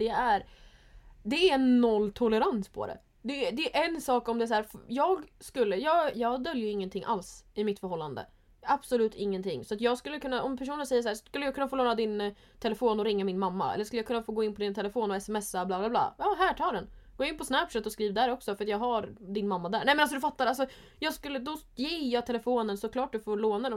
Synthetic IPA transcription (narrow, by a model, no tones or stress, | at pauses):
d̪̥ɛæɾ | d̪ɛæɛnːɔlːt̪ʰʊləɾanspʰɔ̰d̪ɛ̰ | d̪ɛd̪ɛːʔɛnsɑːkɔmd̪ɛs̬æːɾfjɑːɡskɵlːəjɑːɡjɑːɡd̪œljəɾɪŋːənt̪ʰɪŋːʔa̰lsɪmɪt̪fœɾhɦɔlːand̪ə̰ | ab̥sɔlʉ̟ːt̪ʰɪŋːənt̪ʰɪŋːsɔat̪jɑːɡskɵlːəkʰɵnːaʔɔmpʰæʂuːnənsɛjːəʂ̬æːʂkɵlːəjɑɡkʰɵnːafoːloːɾad̪ɪn | t̪ʰɛlɛfoːnɔɾɪŋːamɪnmamːa̰ɛ̰lːəʂkɵləjɑkɵnːafoːɡoːɪnːpʰɔd̪ɪnt̪ʰɛlɛfoːnɔɛsɛmɛsːablɑːblaːbla̰ːjɑːɦæːʈʰɑːd̪ɛnɡ̥oːɪnpʰɔsnæpʂɛt̪ɔskɾiːvd̪æːɾɔksɔfœɾat̪jɑːɡɦaɾd̪ɪnmamːad̪æːɳɛjmɛnalsɔd̪ɵ̟fat̪ːaɾalsɔ | jɑːɡskɵlːəd̪ɔjeːjɑːt̪ʰɛlɛfoːnənsɔkʰlɑːʈ̚d̪ɵfoːɾɭoːnad̪ɛ